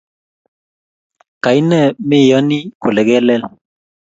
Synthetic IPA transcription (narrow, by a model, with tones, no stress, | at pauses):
ka˨i˦nɛ˦˨mɪ˦˨jɔ˦ni˦kʊ˨lɛ˨ɡɛ˦lɛ˦l